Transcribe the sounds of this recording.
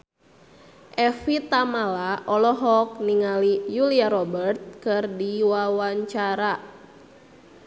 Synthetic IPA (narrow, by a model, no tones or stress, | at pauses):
ʔɛfit̪amalaʔɔlɔɦɔk̚niŋalijuliaɾɔbərt̪̚kɨrdiwawaɲt͡ʃaɾa